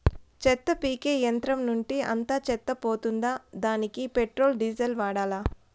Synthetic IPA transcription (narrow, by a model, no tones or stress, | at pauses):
t͡ʃɛt̪ːɐpiːkeːjɐnt̪ɾɐmnuɳʈiɐ̰nt̪aːt͡ʃɛt̪ːɐpoːt̪und̪aːd̪aːnikipeʈɾoːlɖiːd͡ʒɐlʋaːɽaːlaː